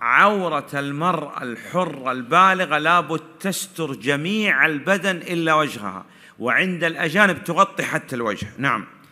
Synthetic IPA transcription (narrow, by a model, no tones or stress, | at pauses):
ʕawɾˤɑlmɑɾˤʔa̰lħʊrˤːɑlbaːlɪɣalaːbʊd̪̚t̪ast̪ʊɾd͡ʒamiːʕalbad̪anʔɪlːawad͡ʒha̰ha̰ | wɪʕɪnd̪alʔad͡ʒaːnɪb̚t̪ʊɣɑt̪ˤːiħat̪ːalwa̰d͡ʒhnaʕa̰m